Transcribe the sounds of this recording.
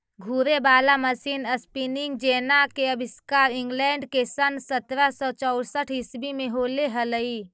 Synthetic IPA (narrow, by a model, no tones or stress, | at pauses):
ɡʱuːɾebaːlaməsiːnəspinɪ̃ŋɡd͡ʒeːnakeəbʱɪskaːɾɪ̃ŋɡlɛ̃ːɳɖkesənsət̪ɾasɔt͡ʃɔʊɽsəʈʰɪsbimẽɦoːleɦələi